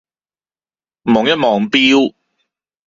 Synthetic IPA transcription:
mɔː˨˩ŋjɐ˥t̚mɔː˨˩ŋpiː˥w

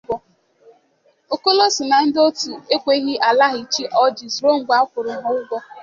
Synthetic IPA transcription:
ɔ˦ | o˦ko˦lo˦si˨na˨n̩˦do˦tu˨e˦kʷe˦ɣɪ˦ʔa˨la˦ɦɪ˨t͡ʃi˦ʔɔ˦d͡ʒi˨zɾo˦ŋ͡m̩˨ɡ͡bʷa˦kʷʊ˨ɾʊ˨ɦɔ˦ʊ˦ɡʷɔ˦

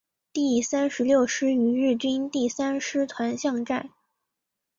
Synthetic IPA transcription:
t̪i˥˩sa˥nʂɻ̩˧˥ljo˥˩ʊʂɻ̩˥y˧˥ɻɻ̩˥˩t͡ɕy˥nt̪i˥˩sa˥nʂɻ̩˥t̪ʰwa˧˥nɕjɑ˥˧ŋʈ͡ʂa˥˩

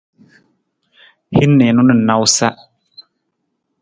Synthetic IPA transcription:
hi˦nːɛ˨nʊ̃˦nɪ˨na˦wsa˦

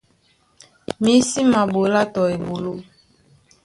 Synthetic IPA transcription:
mi˨˦si˦ma˨bo˨˦la˦tɔ˨e˨bo˨lo˦

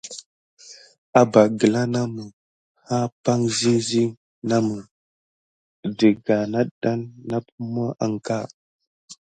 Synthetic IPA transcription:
a˦ba˨ɡə˨la˦na˦mə˨ | ha˦pa˦ŋzi˦zi˦ | na˦mu˨ | də˨ɡa˨na˦ɗa˦nːa˦pu˦m˦a˦ʔa˨ŋka˦˨

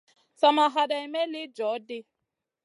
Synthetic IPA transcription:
sa˨ma˨ɦa˨da˨i˨me˦lɪ˦d͡ʒɔ˨˦dɪ˦

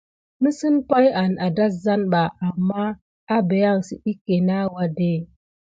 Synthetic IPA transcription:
nə˦si˦npa˦ja˨na˨da˦za˦nɓa˨ʔa˨mːa˦ | a˦be˨ja˦˨ŋsi˨ʔi˦ke˨na˦wa˨de˦˨

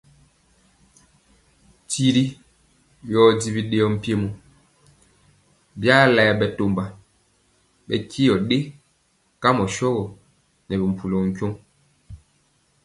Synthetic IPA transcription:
ti˦ɾi˦ | jɔ˦di˦bi˦ɗe˦jɔ˦m̩˦pje˦mu˦ | bja˦lɛ˨bɛ˨to˨mba˨ | bɛ̰˨ki˦jɔ˨ɗe˦ | ka˦mɔ˨ʃɔ˦ɣɔ˨ | nɛ˨bi˨m̩˨pu˨lo˨ŋ̩˨kjo˦ŋ

